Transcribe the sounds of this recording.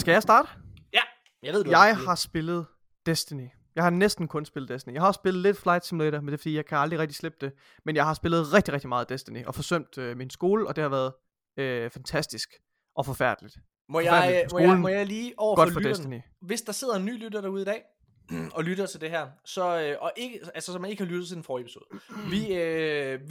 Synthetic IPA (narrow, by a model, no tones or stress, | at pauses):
sɡ̥æjɑɪsd̥ɑ̈ːd̥əjæ | jæʋeðˠdjɑ̈ɪhɑ̈sb̥e̝lð̞̩ˠ | d̥esd̥ini | jɑ̈ɪhɑ̈nesd̥n̩kʰɔ̽nsb̥e̝lð̩ˠd̥esd̥nijɑ̈ɪhɑ̈ɒ̽sb̥e̝lð̩ˠle̝d̥flɑ̈ɪd̥simleɾ̥ɐmend̥efɒdḭːjɑɪkʰæɑld̥ʁiʁɛɡ̥̚d̥i̥sleb̥̚d̥e̝ | menjɑ̈ɪhɑ̈sb̥e̝lð̞̩ˠʁɛɡ̥d̥iʁɛɡ̥̚d̥imɑ̈ːð̞̩ˠd̥esd̥iniʔɒ̽fɒ̽sœm̰d̥øminsɡ̥o̝ːləʔɒ̽d̥e̝hɑ̈ʋæːɐð̩ˠ | øfænt͡sʰæsd̥isɡ̥ | ʔɒ̽fɒ̽fæɐ̰d̥lid̥ | mɔɑæɐ̰imoːln̩mɔjɑliːɒʊ̰ɐɡɒ̽d̥fɒdesd̥ni | ʋe̝sd̥ɑ̈se̝ð̞̰ˠɐenːy̰ːlyɾɐɾ̥ɑ̈uð̞̩ˠidɛ̰ː | ɒ̽lyɾɐt͡sʰe̝ld̥e̝ɦæɐ̰sɒ̽øʔɒ̽ʔe̝ɡ̥əælsəsɒmæne̝ɡ̥hɑlyɾ̥ð̩ˠt͡sʰe̝d̥enfɒːepʰi̥so̝ːð̩ˠʋiø